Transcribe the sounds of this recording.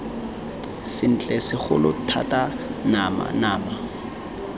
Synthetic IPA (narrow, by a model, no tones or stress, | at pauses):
sɪn̩t͡ɬʼɛsɪχʊ̰lʊtʰa̰tʼanama̰naːma